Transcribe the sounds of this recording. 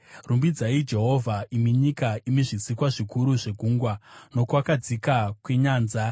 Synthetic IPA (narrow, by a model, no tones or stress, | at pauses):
rumbid͡zaid͡ʒe̞ɦo̞vʱaʔimiɲikaimiʐisikwaʐikuɾuʐeɡʱuːŋɡwano̞kwakad͡zikakweɲaːnza